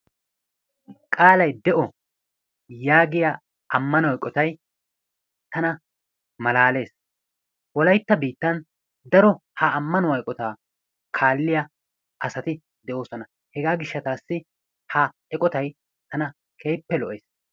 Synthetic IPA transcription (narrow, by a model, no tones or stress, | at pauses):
kʼaːlɐjd̪ɛʔɔ | jaːɡɪja | ɐmːɐnɔwjkʼːɔt̪ɐj | t̪ɐnɐ | mɐlaːle̞ːs | wɔlɐjt̪ːɐbiːt̪ːɐn | d̪ɐɾɔhɐːmːɐnɔwɐjkʼɔt̪aː | kʰaːlːɪjɐ | ɐsɐt̪ɪ | d̪ɛʔo̞ːsɔnɐ | hɛɡaːɡɪʃːɐt̪aːsːɪ | ha | ɛkʼɔt̪ɐj | t̪ɐnɐ | kʰe̞ːpːɛlɔʔeːs